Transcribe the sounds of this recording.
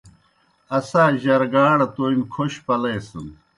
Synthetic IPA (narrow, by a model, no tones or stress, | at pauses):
ɐsaːʑɐɾɡaːɽɐt̪oimkʰoɕpɐleːsum